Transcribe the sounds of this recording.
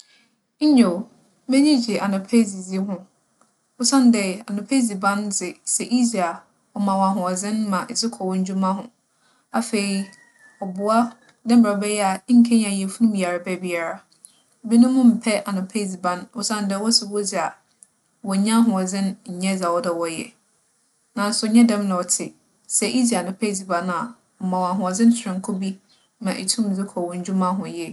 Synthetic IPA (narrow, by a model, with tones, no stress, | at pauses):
ɲ̩˦ɲo˨ | mɛ̃˦ɲĩ˦d͡ʑi˨ʔa˨nʊ̃˨pʰe˦zi˨d͡zi˦ɦʊ̃˦ | ʊ˦sã˦n˦dɛ˨a˨nʊ̃˨pʰe˦zi˨bã˦nd͡zɪ˨sɛ˨ʔi˦zi˨a˨ | ɔ˨mã˨wa˨ɦʊ̃˨ɔ˨d͡zɪ̃˦nmã˨sɪ˦kʰɔ˨wɔ̃˦ɲ̩˦d͡ʑᶣu˦mã˦ɦʊ̰̃˨ | a˨fe˨ɾi˦ | ɔ˨bʊ˨a˦ | dɛ̃˦m̩˨bɾa˨ɔ˨bɛ˦jɛ˦a˨˦ŋ̩˦kʰɛ˦ɲ˦ã˨ɛ˨fu˦nʊ̃˦mbi˨a˨ɾa˨bɛ˦bi˦a˨ɾa˨˦ | bi˦nʊ̃˦mʊ̃˦m̩˨pʰɛ˦ʔa˨nʊ̃˨pʰe˦˨si˨bã˦nɔ˦sã˦ndɛ˨˦wɔ˦sɪ˨bo˦d͡zɪ˨a˨ | wɔ˨ɲã˦ɦʊ̃˨ɔ˨d͡zɪ̃˦n˦ɲ̩˨ɲɛ̃˦d͡za˨wɔ˦dɛ˨wɔ˨jɛ̰˨ | nã˨n̩˦sʊ˨ɲɛ̃˦dɛ̃˦mnʊ̃˨ɔ˨tʰɪ˨ | sɛ˦ʔi˦d͡zi˨a˨nʊ̃˨pʰe˦˨d͡zi˨bã˨na˨ | ɔ˨mã˨wa˨ɦʊ̃˨ɔ˨d͡zɪ̃˦n˦sʰɾɪ̃˨ŋ̩˨kʰo˦bi˦ | mã˨ʔḛ˨tʰũ˦m˨d͡zɪ˦kʰɔ˨wʊ̃˦ɲ˦d͡ʑᶣu˦mã˦ɦʊ̃˨jɛ˦